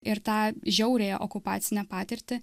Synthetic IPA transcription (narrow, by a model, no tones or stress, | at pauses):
ɪɾt̪ɑːʒʲɛʊɾʲeːjɛ̰ʔɔkʊpɑ̰ːt̪sʲɪnʲɛpɑːt̪ʲɪɾʲt̪ʲɪ